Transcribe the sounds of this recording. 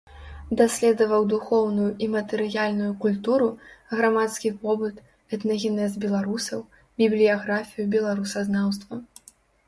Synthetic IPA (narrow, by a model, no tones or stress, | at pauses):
d̪asʲlʲɛd̪ɐvɐwd̪uxɔwnujuimɐt̪ɛɾɨjalʲnujukulʲt̪uɾuɣɾamat̪skʲipɔbɨt̪ | ɛt̪nɐɣʲɛnɛzbʲɛlˠaɾusɐw | bʲiblʲijaɣɾafʲijubʲɛlˠaɾusɐznawst̪vɐ